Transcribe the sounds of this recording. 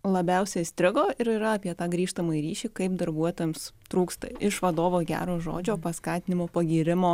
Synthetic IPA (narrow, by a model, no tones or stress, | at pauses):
lˠɐbʲɛʊsʲɛsʲt̪ʲɾʲɪɡoːɪɾiːɾɐɐpʲiɛt̪ɑːɡɾʲiːʃt̪ɐmɐiɾʲiːʃʲiːkɐɪpd̪ɐɾbuɔt̪oːjɛmst̪ɾuːkst̪ɐ̰ɪʃʋɐd̪oːʋoːɡʲæ̰ːɾoːʒo̰ːd͡ʒʲoːpɐskɑːt̪ʲɪnʲɪmoːpɐɡʲiːɾʲɪmoː